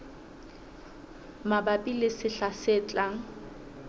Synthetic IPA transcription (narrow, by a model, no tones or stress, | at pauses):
mabapʼilɪsɪɬasɪːt͡ɬʼaŋ̩